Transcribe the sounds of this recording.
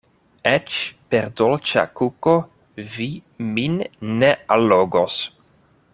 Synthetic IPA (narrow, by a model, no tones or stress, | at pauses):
et͡ʃpeɾd̪olt͡ʃa̰kuko | viminːealoɡos